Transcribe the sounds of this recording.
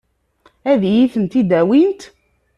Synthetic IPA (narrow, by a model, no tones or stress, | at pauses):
æðjiθənt̪id̪æwint̪